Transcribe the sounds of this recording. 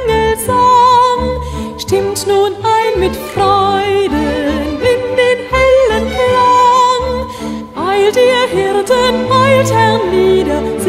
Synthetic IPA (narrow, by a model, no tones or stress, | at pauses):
ŋəzɔnʃtɪmtnunʔaɪnmɪtfʁɔʏdəɪndeːnhɛlənflan | vaɪltiːhɪɐtənʔaɪlthɛʁniːdɐz